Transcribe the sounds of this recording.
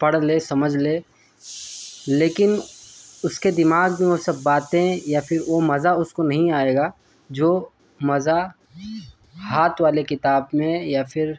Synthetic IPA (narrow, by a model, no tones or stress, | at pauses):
pɐɽleːsɐməd͡ʒʱleː | leːkɪnʊsked̪ɪmaːɡbẽosɐbːaːt̪ẽjapʰɪɾʋomɐzaʊskonɐɦĩaːeːɡaː | d͡ʒoː | mɐza | ɦaːt̪ʰʋaːlekɪt̪aːbmẽjapʰɪɾ